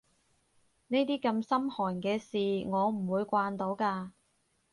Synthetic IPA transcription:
ne˥jt̪iː˥kɐ˧msɐ˥mhɔː˨˩nkɛː˧siː˨ŋɔː˨˧m̩˨˩wuː˨˧jkʷaː˧nt̪o˨˧˥wkaː˧

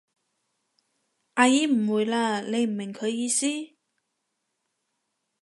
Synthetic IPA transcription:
ʔa˧ji˧˥m̩˨˩wu˨˩jlaː˧le˨˧jm̩˨˩me˨˩ŋkʰɵ˨˧˥jiː˧siː˥

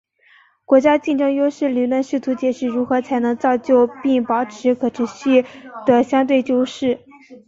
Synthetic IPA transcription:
kwɔ˧˥t͡ɕja˥t͡ɕi˥˧nʈ͡ʂɤ˥˧ŋjo˥ʊʂɻ̩˥˩ly˨˩lwə˥˧nʂɻ̩˥˩t̪ʰu˧˥t͡ɕjɛ˨˩ʂɻ̩˥˩ɻu˧˥xɤ˧˥t͡sʰa˧˥ɪnɤ˧˥ŋt͡sɑ˥˧ʊt͡ɕjo˥˧ʊpi˥˩ŋpɑ˨˩ʊʈ͡ʂʰɻ̩˧˥kʰɤ˨˩ʈ͡ʂʰɻ̩˧˥ɕy˥˩d̪̥ə˩ɕjɑ˥ŋt̪we˥˧ɪt͡ɕjo˥ʊʂɻ̩˥˩

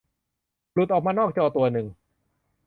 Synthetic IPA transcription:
lu˨˩t̪ʔɔː˨˩maː˧nɔː˥˩k̚t͡ɕɔː˧t̪u˧ɐnɯ˨˩ŋ

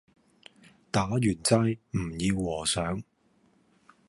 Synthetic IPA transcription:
t̪aː˨˥jyː˨˩nt͡sɐ˧jm̩˨˩jiː˧wːɔː˨˩sœː˨˥ŋ

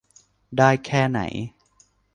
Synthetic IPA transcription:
daː˥˩jkʰɛː˥˩na̰˩˦j

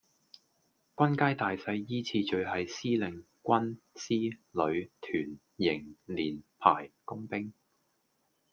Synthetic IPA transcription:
kʷɐ˥nkaː˥jt̪aː˨jsɐ˧jːiː˥t͡sʰiː˧t͡ʃɵ˧ɥɦɐ˨jsiː˥lɪ˨˩ŋ | kʷɐ˥nsiː˥lɵ˨˧ɥt̪ʰyː˨˩n | jɪ˨˩ŋliː˨˩npʰa̰ː˨˩jkʊ˥ŋpɪ˥ŋ

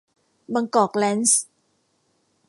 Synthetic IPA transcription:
ba˧ŋkɔː˨˩k̚lɛː˦˥ns

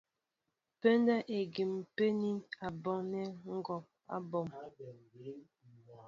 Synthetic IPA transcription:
pe˦nda˦ʔe˨ɡi˨m˨pe˦ni˦na˨bɔ˨ŋnɛ˦ŋ̩˦ɡɔ˨p̚a̰˦˨bɔ˨m

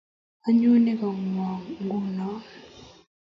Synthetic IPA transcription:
a˦ɲu˦ne˦ka˨ŋwɔ˨ŋŋ˦ɡu˦nɔ˦

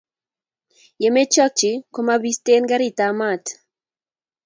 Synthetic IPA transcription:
je˨me˦t͡ʃɔ˦k̚t͡ʃi˨ko˦mabi˦st̪e˦nɡa˦ɾi˦˨t̪ama˨t

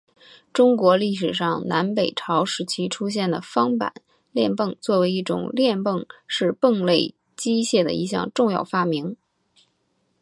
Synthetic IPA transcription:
ʈ͡ʂʊ˥ŋkwɔ˧˥li˥˩ʂ̬ɻ̩˨˩ʂɑ˥˩ŋna˧˥npe˨˩ɪʈ͡ʂʰɑ˧˥ʊʂɻ̩˧˥t͡ɕʰi˥ʈ͡ʂʰu˥ɕ̬jɛ˥˩nd̪ə˩fɑ˥ŋpa̰˨˩˦n | ljɛ˥˧npɤ˥˧ŋt͡swɔ˥˩we˧˥ɪi˥˩ʈ͡ʂʊ̰˨˩ŋljɛ˥˧npɤ˥˧ŋʂɻ̩˥˧pə˥˧ŋle˥˩ɪ | t͡ɕi˥ɕjɛ˥˩d̪ə̰˩i˥˧ɕjɑ̰˥˧ŋʈ͡ʂʊ˥˧ŋjɑ̰˥˩ʊfa˥mi˧˥ŋ

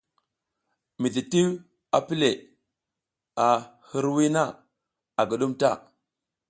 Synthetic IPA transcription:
mi˨ti˨ti˦w | a˨pi˦le˨ | a˨hi˦ɾwi˦na˦ | a˨ɡu˨ɗu˦mta˦˨

